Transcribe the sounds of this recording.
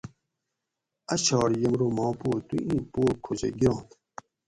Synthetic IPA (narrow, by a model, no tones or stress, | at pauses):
ɐɕɑːɾjɐmɾomɑ̃ːpoːt̪uʔĩːpoːkʰod͡ʑḛɡiɾɑ̃ːt̪